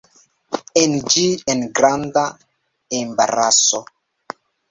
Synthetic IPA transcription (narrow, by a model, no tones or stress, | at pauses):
end͡ʒienɡɾanda | embaɾaso